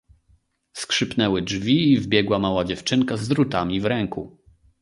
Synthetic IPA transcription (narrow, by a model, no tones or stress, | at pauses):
skʂɘpnɛwɘd͡ʐvʲiːvbʲjɛɡwamawad͡ʑɛft͡ʂɘŋkazd̪ɾut̪amʲivɾɛŋku